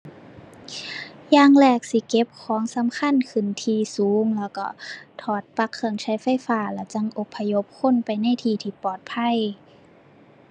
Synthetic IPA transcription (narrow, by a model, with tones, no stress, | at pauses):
jaː˧˩ŋlɛː˧˩k̚si˧˦ke˧˥p̚kʰɔː˨˦ŋsa˨˦mkʰa˧˥˨nkʰɯ˧˩˨nt̪ʰiː˧suː˨˦ŋlɛː˧˩wkɔ̰˧˩t̪ʰɔː˧˩t̪̚pa˧˥kʰːɯ˧˩əŋt͡ɕʰa˧˦˥jfa˧˥˨jfaː˧˩lɛː˧˩wt͡ɕa˧˥˨ŋʔo˧˦pʰːa˧jo˧˥p̚kʰo˧˥˨npa˧˨jna˧˥˨jt̪ʰiː˧˩t̪ʰiː˧˩pɔː˨˩t̪̚pʰa˧˥˨j